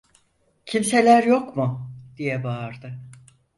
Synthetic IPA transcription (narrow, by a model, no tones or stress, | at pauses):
cʰimse̞lʲæɾjo̞kmʊd̪̥ijɛbaɾd̪ɯ